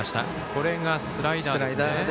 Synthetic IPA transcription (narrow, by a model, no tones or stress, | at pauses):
aɕi̥t̪a̰ | ko̞ɾe̞ɡasɨɾaidd̪aɾaid̪a